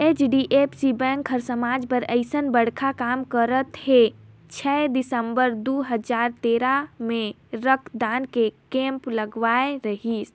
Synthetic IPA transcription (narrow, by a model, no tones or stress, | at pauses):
et͡ʃɖiʔepsibɛ̃ŋkɦəɾsəmaːd͡ʒpəɾəɪsənbəɽ̤kʰakaːmkəɾət̪he | t͡ʃʰɛd̪ɪsəmbəɾd̪uɦəd͡ʒaːɾt̪eːɾamẽ | ɾəkʰd̪aːnkekẽːmpləɡʋaːeɾəɦis